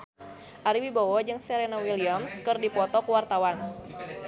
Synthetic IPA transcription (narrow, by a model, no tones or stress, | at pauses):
ʔaɾiwibawɔd͡ʒɨŋsɛɾenawiliamskɨrdipɔt̪ɔkuwart̪awan